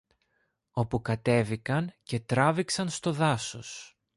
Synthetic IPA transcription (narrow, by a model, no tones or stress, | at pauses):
o̞pukɐt̪e̞vikɐnce̞t̪ɾɐviksɐnst̪o̞ðɐso̞s